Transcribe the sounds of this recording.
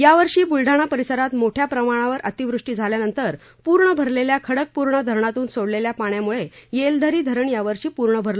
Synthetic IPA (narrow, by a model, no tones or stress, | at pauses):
jaʋəɾʂiːbulɖʱaɽ̃apəɾisəɾat̪moʈʰjapɾəmaɽ̃aʋəɾʔət̪iʋɾuʂʈiːd͡zʱaljanənt̪əɾ | puɾɳəbʱəɾleljakʰəɽək̚puɾɳəd̪ʱəɾɳat̪uːnsoɽleljapaɳjamuɭejeld̪ʱəɾiːd̪ʱəɾəɳjaʋəɾʂiːpuɾɳəbʱəɾlo